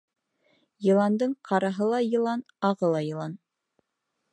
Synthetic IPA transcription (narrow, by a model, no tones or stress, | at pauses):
jɤ̆lˠɑnd̪ɤɴqʰɑɾɑɦɤlˠɑjɤ̆lˠɑn | ɑʁɤlˠɑjɤ̆lˠɑn